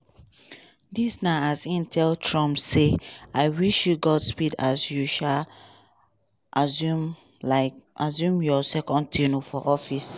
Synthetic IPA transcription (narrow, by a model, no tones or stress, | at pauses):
disnaasĩntʰɛltʰɹɔ̃mseaɪwiʃjuɡɔdspidasjuʃal | ʔazu | laɪazũmjɔsɛkɔ̃n̚tʰinofɔʔɔfis